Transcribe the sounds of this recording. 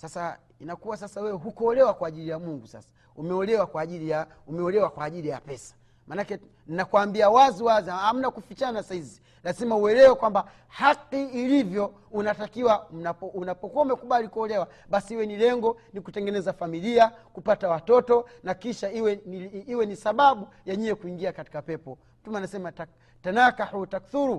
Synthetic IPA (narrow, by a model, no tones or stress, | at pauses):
sasa | inakuwas̬asawɛwɛɦukɔɔlɛwakwaːʄilijamuŋɡusa̰sḁ | umɛɔlɛwakwaːʄilija | umɛɔlɛwakwaːʄilija̰pɛsḁ | mʔanakɛ | ninakuwaːmbiawaziwaziaam̩nakufit͡ʃanasahizi | lazimauɛlɛwɛkwamba | haqiːlivjɔ | unatakiwam̩napɔunapɔkuamɛkuɓalikuɔlɛwa | ɓasihiwɛnilɛŋɡɔnikutɛŋɡɛnɛzafamiliakupatawatɔtɔnakiʃaiwɛiwɛnisaɓaɓu | jɛɲɛɛkuiŋɡiakati̥kapɛpɔ | m̩tumɛanasɛma | tanakaħutakθuɾu